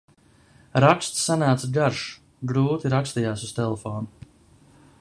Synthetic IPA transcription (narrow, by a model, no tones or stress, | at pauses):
ɾakst̪ssanaːt̪sɡaɾʃ | ɡɾuːt̪iɾakst̪ijaːsust̪elˠefoːnu